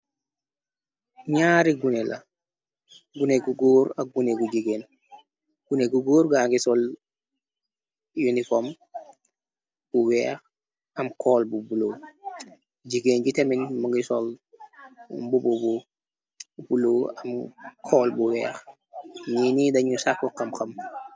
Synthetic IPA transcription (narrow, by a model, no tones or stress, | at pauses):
ɲaːɾiɡunelʔa̰ | ɡuneɡuɡoːɾɐk̚ɡuneɡuɟiɡeːn | ɡ̥uneɡuɡoːɾɡaːŋɡisol | junifom | b̥uwɛːx | ɐmkʰɔːlbubuloː | ɟiɡeːnɟiteminmaŋɡisɔl | bububu | b̥uloɐmkʰɔːlbuwɛːx | ɲinidɐɲusakːɔkːɐmxɐm